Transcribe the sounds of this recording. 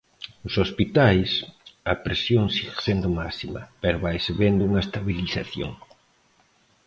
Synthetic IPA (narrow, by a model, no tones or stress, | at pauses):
ʊsospit̪ajsɐpɾesjoŋsiɣe̥send̪ʊmasimɐ̰pɛɾoβajseβend̪ʊuŋɐest̪aβiliθaθjo̰ŋ